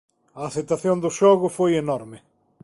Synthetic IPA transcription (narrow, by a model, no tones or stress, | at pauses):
ɐːθet̪aθjond̪ʊʃɔɣʊfojenɔɾmɪ